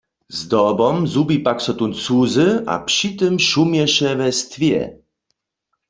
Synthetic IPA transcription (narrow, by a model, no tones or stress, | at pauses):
zd̪ɔbɔmzubipaksɔt̪unt͡suzɨʔa̰pʂit̪ɨmʃumjɛɕɛvɛst̪vʲjɛ̰